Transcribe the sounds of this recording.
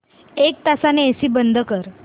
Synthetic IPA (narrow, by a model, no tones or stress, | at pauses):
ek̚t̪asaneesiːbənd̪ʱəkəɾ